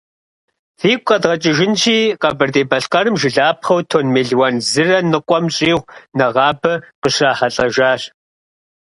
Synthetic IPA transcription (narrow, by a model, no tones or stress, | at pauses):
θiːkʷʼqʼɐdʁɐt͡ʃʼɪʒɪnt͡ʃʰiːqɐbɨrdeːbɐɬqɐrɨmʒɪɮaːp̚χɐwtʰoːnmeːɮwɐnzɨrɐnɨqʷʼɔmɕʼiːʁʷnɐʁɑːbɐqəʃraːħɐɬʼɐʒaːɕ